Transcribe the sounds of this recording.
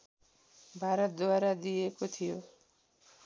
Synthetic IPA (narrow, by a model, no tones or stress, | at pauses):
bʱaɾɔt̪̚d̪oaɾad̪iekot̪ʰijo